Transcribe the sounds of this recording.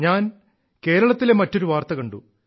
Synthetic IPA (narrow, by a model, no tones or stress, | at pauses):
ɲaːn | ke̞ːɾɐɭɐt̪ːile̞mɐtːo̞ɾuʋaːrt̪ɐkɐɳɖu